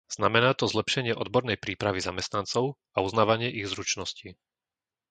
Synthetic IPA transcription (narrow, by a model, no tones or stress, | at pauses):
z̥namɛnaːt̪ɔzlɛpʃɛɲɪɛʔɔd̪bɔɾnɛjpɾiːpɾaʋizamɛst̪nant͡sɔʊ | auznaːʋaɲɪɛʔiɣzɾut͡ʃnɔsci